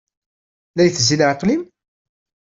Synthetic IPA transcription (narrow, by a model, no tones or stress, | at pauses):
læjθzːiləʕəqlim